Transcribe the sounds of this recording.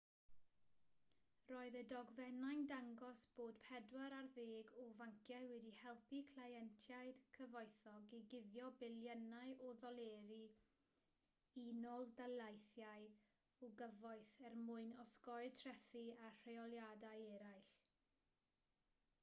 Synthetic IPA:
roːɨðədɔɡvɛnajndaŋɡɔsb̥oːdpʰɛdwaɾarðeːɡɔvaŋkʰjawɛdihɛlˠpikʰlˠajɛntʰjaɨd̥kʰəvɔjθɔɡiɡɪðjɔbɪljənaɨʔɔðɔlˠeːɾi | inɔlˠdalajθjaj | ɔɡəvɔɨθɛrmʊɨnɔskɔɨtʰrɛθiar̥ejɔlˠjadajɛɾajɬ

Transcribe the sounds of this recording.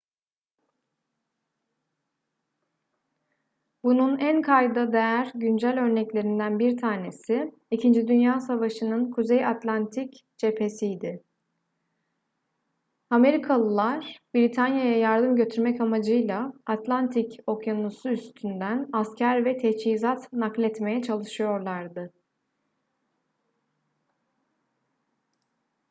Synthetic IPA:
bununænkʰajd̪ad̪e̞jæɾɟynd͡ʒælʲø̞ɾnɛclʲe̞ɾind̪ænbiɾt̪ʰaːne̞sɪ | icʰind͡ʒid̪ynjaːsavaʃɯnɯnkʰuzejat̪lʲant̪ʰic | d͡ʒe̞pʰe̞sijd̪ɪ | ame̞ɾikʰalˠɯlˠaɾ̥biɾit̪ʰanjajajaɾd̪ɯmɟø̞t̪ʰyɾmɛcamad͡ʒɯjlˠaat̪lʲˠant̪ʰico̞kjanusuyst̪ʰynd̪ænascʰæɾvɛt̪ʰɛt͡ʃhizat̪naklʲɛt̪me̞jɛt͡ʃʰalˠɯʃɯjo̞ɾlˠaɾd̪ɯ

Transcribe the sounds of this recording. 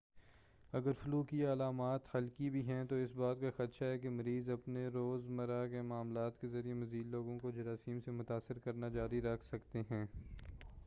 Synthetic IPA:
ɐɡəɾfʊluːkialaːmaːt̪hɐlkibʱiɦɛ̃t̪oɪsbaːt̪̚kaxɐt̪ʃaɦɛkemɐɾiːzɐpneɾoːzmɐɾakemaːmlaːt̪kezɐɾijemɐziːd̪loːɡõkod͡ʒɐɾaːsiːmsemʊt̪aːsːɪɾkɐɾnad͡ʒaːɾiɾɐkʰsɐkt̪eɦɛ̃ː

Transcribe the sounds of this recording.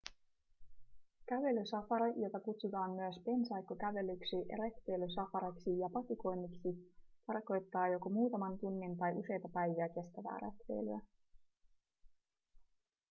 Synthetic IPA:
kæʋe̞lysɑfɑɾɑjo̞t̪ɑkut̪sut̪ɑːmmyøspe̞nsɑjkːokæʋe̞lyksiret̪ʋejlysɑfɑɾɑksijɑpɑt̪iko̞jnːiksit̪ɑrko̞jt̪ːɑːjo̞ko̞muːt̪ɑmɑnt̪unːint̪ɑjʔuse̞jt̪ɑpæjʋiæke̞st̪æʋæ̰ːɾḛt̪ʋḛjlyæ

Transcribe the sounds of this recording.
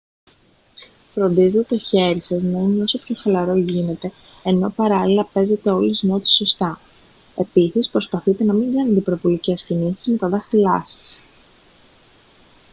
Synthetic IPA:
fɾo̞nd̪izet̪t̪o̞çe̞ɾisɐznɐineo̞sopçoxɐlɐɾo̞ʝine̞t̪e̞ | eno̞pɐɾɐlilɐpe̞ze̞t̪e̞o̞lizno̞t̪i̥so̞st̪ɐ | e̞pisispɾo̞spɐθit̪e̞nɐmiŋɡɐnet̪eipɾo̞volice̞scinisizme̞t̪ɐðɐxilɐsɐ̥s

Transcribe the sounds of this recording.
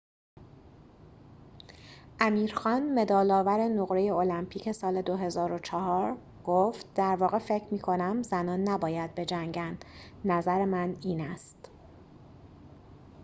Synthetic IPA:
ʔæmiːɾxɒːnme̞d̪ɒːlɒːvæɾenoɣɾe̞je̞olæmpʰiːcʰe̞sɒːle̞d̪oɦe̞zɒːɾo̞t͡ʃʰɒɦɒːɾ | ɡ̥oft̪̚d̪æɾvɒːɣe̞fe̞cʰɾmiːkʰo̞næmzænɒːnːæbɒːjæd̪̚be̞d͡ʒæŋɟænd̪̥ | næzæɾe̞mæniːnæst̪

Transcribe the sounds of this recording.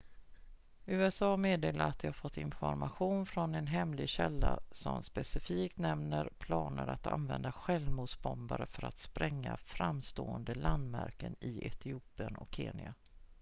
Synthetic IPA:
ʉ̟ːɛsɑːmeːd̪eːlaɾat̪̚dɛhaɾfɔt̪ːɪnfɔɾmaɧuːnfɾɔnɛnɦɛmlɪɡɕɛlːasɔmspɛsɪfiːkt̪nɛmnəɾpʰlɑːnəɾat̪a̰nvɛnd̪aɧɛlmuːd̪sbɔmbaɾəfœɾat̪spɾʔɛŋːafɾamːst̪oːənd̪əland̪mæɾkənɪɛt̪ʰɪuːpɪənɔkʰːeːnɪa

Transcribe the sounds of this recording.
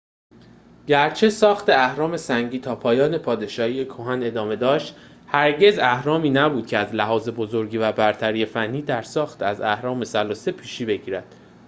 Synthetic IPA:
ɟæɾt͡ʃʰe̞sɒːxt̪ʰe̞æhɾɒːme̞sæŋɟiːt̪ʰɒːpʰɒːjɒːne̞pʰɒːd̪e̞ʃɒːiːjekʰoɦæne̞d̪ɒːme̞d̪ɒːʃt̪ | hæɾɟe̞zæhɾɒːmiːnæbuːd̪̥cʰeæzlæɦɒːze̞bozo̞ɾɟiːvæbæɾt̪ʰæɾiːe̞fænːiːd̪æɾsɒːxt̪æzæhɾɒːme̞sælɒːsepʰiːʃiːbe̞ɟiːɾæd̪̥

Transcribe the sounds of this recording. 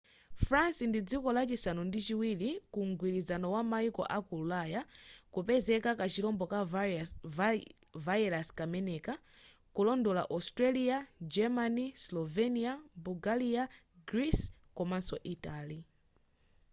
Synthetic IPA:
fɾansindid͡zikɔlat͡ʃisanɔndit͡ʃiwilikuŋɡwiɾizanɔwamaikɔ̰ʔakululajakupɛzɛkakat͡ʃilɔmbɔka | vaɛlaskamɛnɛka | kulɔndɔla̰ʔɔstɾaliad͡ʒɛmanislɔvɛniabuɡalia | ɡɾiskɔmansɔʔitaːli

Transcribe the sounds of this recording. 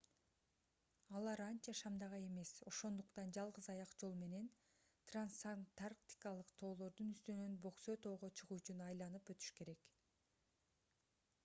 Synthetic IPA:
ɑlˠɑɾɑnt͡ʃɑʃɑmd̪ɑʁɑe̞me̞so̞ʃo̞nd̪uqt̪ɑnd͡ʒɑlˠʁɯzɑjɑqd͡ʒo̞lˠme̞ne̞n | t̪ransant̪arkt̪ʲi̥kɑlˠɯqt̪ʰo̞ːlˠo̞ɾd̪unyst̪ynø̞nbo̞qsø̞t̪o̞ːʁo̞t͡ʃʰɯʁuːyt͡ʃynɑjlˠɑnɯpøt̪y̥ʃke̞ɾe̞k

